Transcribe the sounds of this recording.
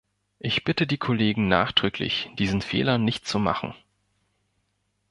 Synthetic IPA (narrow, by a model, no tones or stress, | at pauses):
ʔɪçb̥ɪtədiːkʰʊleːɡŋ̩na̰ːχd̥ʁ̥ʏkʰlɪ̰çd̥iːzn̩fḛːlɐnɪçtt͡suma̰χn̩